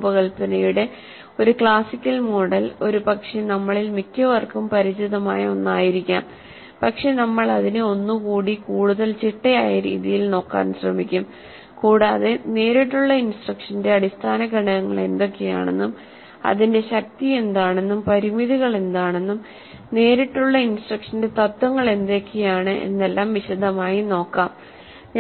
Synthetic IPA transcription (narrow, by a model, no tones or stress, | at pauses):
pɐɣɐɭpɐnɐjuɽe̞ | o̞ɾukɭaːsikʲːɐlmo̞ɽɐlo̞ɾupɐkʂenɐmːɐɭilmikʰʲːɐʋɐrkumpɐɾit͡ɕiðɐmaːjɐo̞̰nːaːjiɾikʲːaːm | pɐkʂe̞nɐmːɐɭɐðinɨo̞nːukuːɽikuːɽuðɐlt͡ɕiʈːɐjaːjɐɾḭːðijilno̞ːkːa̰ːnɕrɐmikʲːum | kuːɽaːðene̞ːɾiʈːuɭːɐinsʈrɐkʂɐnde̞ɐɽist̪ʰaːnɐɡɐɳɐɣɐŋːɐ̰ɭe̞̰nd̪o̞kːe̞ja̰ːɳe̞̰nːum | ɐ̰ðinde̞ɕɐk̚t̪ie̞nd̪aːɳe̞nːumpɐɾimiðiɣɐɭe̞nd̪aːɳe̞nːum | ne̞ːɾiʈːuɭːɐinsʈrɐkʂɐnde̞t̪ɐt̪ːwɐŋːɐɭe̞nd̪o̞kːejaːɳɨʔḛnːe̞lːaːmʋiɕɐd̪ʱɐmaːjino̞ːkːaːm | ɲː